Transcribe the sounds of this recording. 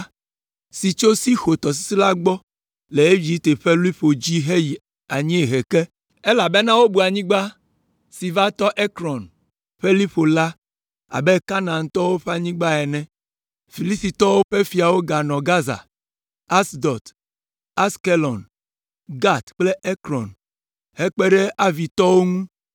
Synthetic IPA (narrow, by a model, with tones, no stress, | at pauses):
si˨t͡ʃo˦si˦xo˨t̪ɔ˨s̬i̥˦si˦la˦ɡ͡bɔ˦ | le˨e˦vi˨˦t̪e˨ɸe˦lu˦i˦ɸo˨d͡ʑi˦ɦe˦ji˨ | a˨ɲĩ˦e˨ɦe˨kɛ˦ | e˦la˨be˦nã˦wo˦bu˨a˨ɲĩ˦ɡ͡ba˦ | si˨va˦t̪ɔ˦ʔe˦kɾɔ˨n | ɸe˦li˦ɸo˨la˦ | a̰˨be˦ka˦nã˨ŋ˦t̪ɔ˦wo˦ɸe˦a˦ɲĩ˦ɡ͡ba˦ɛ˨nɛ̃˦ | fi˨li˦si˨t̪ɔ˦wo˦ɸe˦fi˨a˨wo˦ɡa˨nɔ̃˨ɡa˦za̰˨ | a˦sd̪ɔ˨t̪ | a˦ske˦lɔ˨n | ɡa˦t̪k͡ple˦e˦kɾɔ̰˨n | he˦k͡pe˦ɖe˦ʔa˦vi˨t̪ɔ˦wo˦ŋũ˦